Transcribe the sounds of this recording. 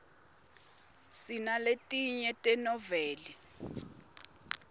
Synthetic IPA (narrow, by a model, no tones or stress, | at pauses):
sinaletʼiɲɛtʼɛnɔvɛːli